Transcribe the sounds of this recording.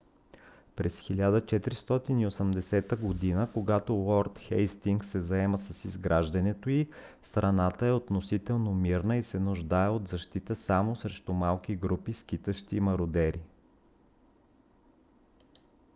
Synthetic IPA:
pɾɛsxilʲad̪ət͡ʃɛt̪ɾist̪ɔt̪iniosəmd̪ɛsɛt̪əɡod̪inəkoɡat̪olɔɾt̪xɛjst̪iŋksɛzɐɛməsɐsizɡɾaʒd̪ɐnɛt̪oist̪ɾɐnat̪əɛot̪nosit̪ɛlˠnomiɾnəisɛnʊʒd̪aɛot̪zɐʃt̪it̪əsamosɾɛʃt̪ʊmalˠk̟iɡɾupiskit̪əʃt̪imɐɾʊd̪ɛɾʔi

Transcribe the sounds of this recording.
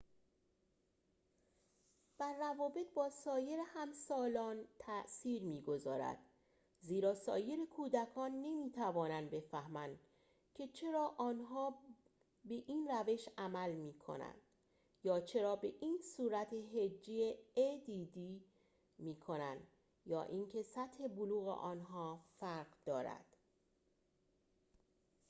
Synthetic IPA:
d̪̥æɾːævɒːbe̞t̪̚bɒːsɒːje̞ɾehæmsɒːlɒːnt̪ʰæʔsiːɾmiːɡo̞zɒ̰ːɾæ̰d̪̥ | ziːɾɒːsɒ̰ːje̞ɾekʰuːd̪ækʰɒːnːe̞miːt̪ʰævɒːnænd̪be̞fæhmænd̪ | cʰe̞t͡ʃʰe̞ɾɒːʔɒːnɦɒː | be̞ʔiːnræve̞ʃæmælmiːkʰo̰næ̰nd̪̥ | jɒːt͡ʃʰe̞ɾɒːbe̞ʔiːnsuːɾæt̪ʰeɦed͡ʒːijeed̪iːd̪iː | miːkʰo̞nænd̪ | jɒ̰ːʔiːncʰe̞sæt̪he̞boluːɣḛʔɒːnɦɒːfæɾɣd̪ɒːɾæ̰d̪̥

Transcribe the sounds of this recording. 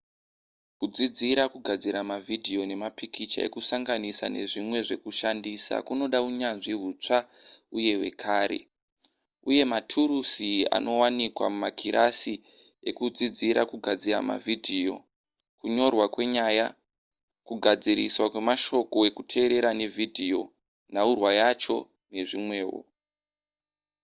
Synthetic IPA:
kud͡zid͡ziɾakuɡʱad͡ziɾamavʱidʱio̞ne̞mapikit͡ʃa̰e̞̰kusaŋɡanisa̰ne̞̰ʐimwe̞ʐe̞̰kuʃandisa̰kuno̞ɗauɲanʐiɦut͡ʂa | uje̞we̞̰kʰaːɾe̞̰ | uje̞matʰuɾusia̰nʔo̞wanikwa̰mumakʰiɾʔasi | e̞kud͡zid͡ziɾʔa̰kuɡʱad͡ziɾa̰ma̰vʱidʱijo̞̰ | kuɲo̞rwakwe̞ɲaja | kuɡʱad͡ziɾḭswakwe̞maʃo̞ko̞e̞kutʰe̞ːɾe̞ɾane̞vʱidʱio̞̰ | naurwajat͡ʃo̞ | ne̞ʐimwe̞ːwo̰

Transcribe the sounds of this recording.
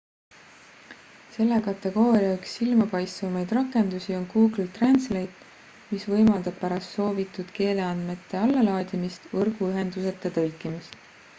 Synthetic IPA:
se̞lːekɑt̪ːˑe̞ɡ̥o̞ːɾiɑyksːilmɑpɑjst̪vɑmɑjd̪rɑkːˑe̞nd̪̥usio̞nkuːɡlut̪renslejd̪̥ | misvɤ̞jmɑld̪̥ɑb̥̚pæɾɑst̪so̞ːvit̪ːˑud̪̥ke̞ːle̞ɑnd̪me̞t̪ˑːe̞ɑlːɑlɑːd̪̥ʲimist̪ɤrɡ̥uyɦe̞nd̪̥use̞t̪ːˑet̪ɤlkːˑimist̪

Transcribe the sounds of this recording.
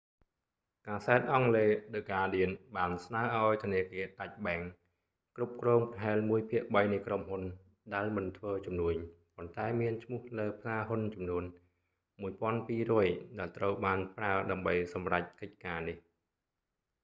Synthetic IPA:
kaːsaɛt̪̚ʔɑŋleːɗɨkaːɗiənɓaːnsnaəʔaɔjt̪ʰŭəniəkiəɗac̚ɓaɛŋ | krup̚krɔːŋpɦaɛlmuəjpʰiəʔɓəjnɨkromhun | ɗaɛlmɨnt̪ʰʋəːt͡ɕumnuəɲ | pont̪aɛmiənt͡ɕʰmŭəhləːpʰlaːɦunt͡ɕɑmnuən | muəjpŏənpiːrɔəjɗaɛlt̪rəwɓaːnpraəɗaəmɓəjsɑmrac̚kəc̚kaːnih

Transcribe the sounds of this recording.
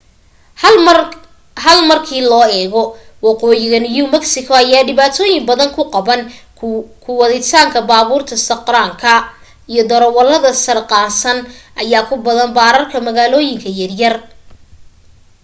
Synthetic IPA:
ɦɐlmɐrkʰiːlɔːɛːɣɔwɑqɔːjɪɣɐnjumɐɡsɪkʰɔɐjaːɖɪβaːt̪ʰɔːjɪmbɐðɐŋkʰʊqɑβɐn | kʰʊwɑðɪt̪ʰaːŋkʰɐbaːβuːrt̪ʰɐsɐqraːŋkʰɐ | ijɔd̪ɔɾɔwɐlːɐðɐsɐrqɑːsɐnʔɐjaːkʰʊbɐðɐnbaːɾɐrkʰɐmɐɣaːlɔːjɪŋkʰɐjɐrjɐr

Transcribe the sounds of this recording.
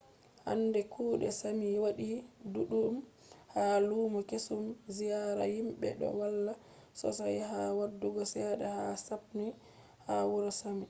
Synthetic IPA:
ha̰ndɛkʰuːɗɛ̰samiwaɗiduɗum | haluːmɔkesumzijaɾa̰himbɛ̰ɗɔ̰walːa | sɔ̰sajɦawadːuɡɔsɛɗɛhasap̚ni | hawuɾasami

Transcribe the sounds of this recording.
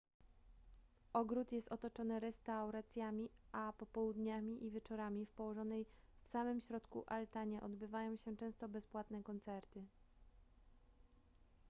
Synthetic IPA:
ɔɡɾut̪jɛst̪ɔt̪ɔt͡ʂɔnɘɾɛst̪awɾat̪sʲjamʲiapɔpɔwud̪ɲamʲiʔivʲjɛt͡ʂɔɾamʲifpɔwɔʐɔnɛj | fsamɘmɕɾɔt̪kuʔalt̪aɲɛʔɔd̪bɘvajɔ̃w̃ɕɛt͡ʂɛ̃w̃st̪ɔbɛspwat̪nɛkɔnt̪sɛɾt̪ɘ

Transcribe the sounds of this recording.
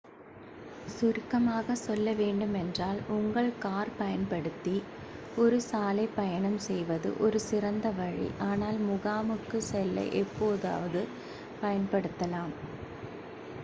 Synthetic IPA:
sʊɾkːɐmaːɣɐsɔlːɐʋeːɳɖɯmɛndraːlʊŋɡɐɭkaːɾpɐjɐnpɐɽɯt̪ːi | ɔɾɯsaːlɐɪpːɐjɐɳɐmsɛjʋɐðɯ̰ʔɔɾɯsɪrɐnd̪ɐʋɐɻḭʔaːnaːlmʊɣaːmɯkːɯsɛlːɐ̰ɪʔɛpːoːða̰ːʋɐðɯ | pɐjɐnpɐɽɯt̪ːɐlaːm

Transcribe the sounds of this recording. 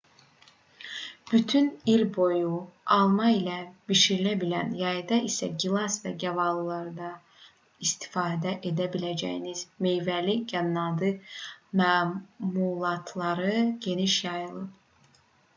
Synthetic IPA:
b̥yt̪ʰynilʲbo̞juɑlˠmɑilæb̥iʃiɾilæbilænjɑjd̪ɑisæ̰ɟilˠɑsvɛɟævɑlˠɯlˠɑɾɯd̪ɑ | ist̪ʰi̥fɑːd̪æʔed̪æbilæd͡ʒæ̰jinizme̞jvæliɟænːɑd̪ɯmæːmulˠɑt̪ʰlˠɑɾɯɟ̥e̞niʃjɑjɯlˠɯp̚

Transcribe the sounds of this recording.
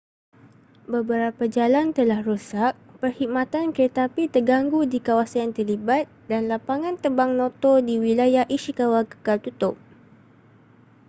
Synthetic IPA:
bəbəɾapad͡ʒalant̪əlahrusak̚pərhimãt̪ankɾət̪apit̪ərɡaŋɡudikawasaant̪ərlibat̪̚danlapaŋãnt̪əbaŋnɔ̃t̪ɔdiwilajahʔiʃikawakə̥kalt̪ut̪ʊp̚

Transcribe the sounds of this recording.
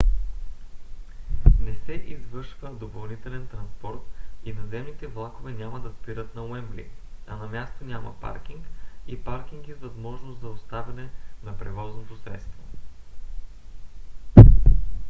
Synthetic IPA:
nɛsɛʔizvɤɾʃvəd̪opɐlˠnit̪ɛlɛnt̪ɾɐnspɔɾt̪inɐzɛmnit̪ɛvlˠakovɛnʲaməd̪ɐspiɾət̪nɐoɛmblḭɐnɐmʲjast̪onʲamɐ̰pa̰ɾk̟iŋkipaɾk̟iŋkizvɐzmɔʒnʊst̪zɐost̪avɛnɛnɐpɾɛvɔznot̪osɾɛ̰t̪st̪vo

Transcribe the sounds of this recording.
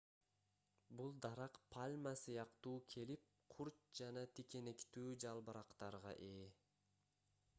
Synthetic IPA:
bulˠd̪ɑɾɑqpʰalʲmasɯjɑqt̪uːkʰe̞lip̚qʰuɾt̚d͡ʒɑnɑt̪ʰike̞ne̞kt̪yːd͡ʒɑlˠbɯɾɑqt̪ɑɾʁɑ̰ʔeː

